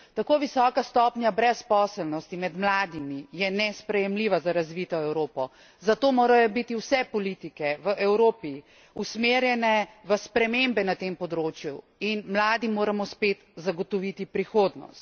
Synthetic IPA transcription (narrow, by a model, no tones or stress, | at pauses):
t̪akoːʋisɔkast̪ɔpnʲjabɾɛspɔːsəlnɔst̪imɛd̪mlaːd̪imijɛnɛspɾɛjɛmliːʋazaɾazʋit̪ɔɛwɾoːpɔ | zat̪oːmoːɾajɔbit̪iwsɛpɔlit̪ikɛʋəʔɛwɾoːpi | usmeːɾjɛnɛʋəspɾɛmembɛnat̪empɔd̪ɾoːt͡ʃju | inmlaːd̪imoːɾamɔspeːt̪zaɡɔt̪ɔʋit̪ipɾixoːd̪nɔ̰st̪̚